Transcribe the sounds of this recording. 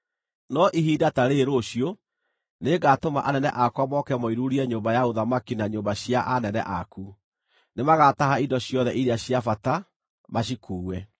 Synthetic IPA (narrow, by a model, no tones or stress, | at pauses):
nɔʔiɦiːdataɾeɾoɕjo | neːɡatomaʔanɛnɛ̰ʔakwamɔkɛmɔiɾuɾiɛɲoːmbajaoðamakinaɲoːmbaɕjaʔanɛnɛ̰ʔaku | nemaɣataɦaidɔɕjɔðɛʔiɾeaɕjafata | maɕikuːwɛ